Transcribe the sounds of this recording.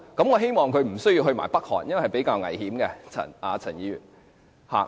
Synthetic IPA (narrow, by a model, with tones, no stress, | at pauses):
kɐ˨˧˥mŋɔː˨˧ɦe˥jmɔː˨˩ŋkʰɵ˨˧ɥm̩˨˩sɵ˥ɥji˧wɦɵ˧ɥma̰ː˨˩jpɐ˥k̚hɔ̰ː˨˩n̚jɐ˥nwhɐ˨˩jpe˨˥jkaː˧wŋɐ̰˨˩jhiː˨˥mɡɛ˧t͡sʰɐ̰˨˩naː˨˧t͡sʰɐ˨˩njiː˨˧jy̰ː˨˩n | ha̰ː˨